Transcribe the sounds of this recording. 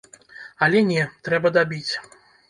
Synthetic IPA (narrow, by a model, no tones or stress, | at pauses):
ɐlʲɛnʲɛt̪ɾɛbɐd̪abʲit͡sʲ